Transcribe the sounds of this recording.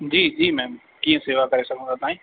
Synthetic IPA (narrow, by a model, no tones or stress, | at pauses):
d͡ʑiːd͡ʑiːmɛ̃ːm | kiːə̃seːʋakɐɾesɐɡʱə̃d̪ʱat̪aːĩː